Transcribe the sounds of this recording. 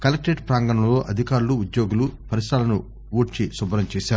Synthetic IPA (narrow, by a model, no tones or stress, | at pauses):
kɐlɐk̚ʈeɖpɾaːŋɡɐɳɐmlo̞ːʔɐd̪ʱikaːɾuluːd̪jo̞ːɡulupɐɾisɾaːlɐnu | ʋoːʈt͡ʃisubɾɐmt͡ʃeːʃaːɾu